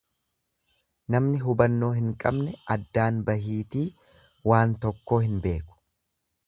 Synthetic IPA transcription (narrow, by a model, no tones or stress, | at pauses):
nɐmnɪɦʊbɐnːo̞ːɦɪŋkʼɐbnɛʔɐd̪ːaːnbɐɦiːt̪iː | waːnt̪ɔkːo̞ːhɪnbe̞ːkʊ̥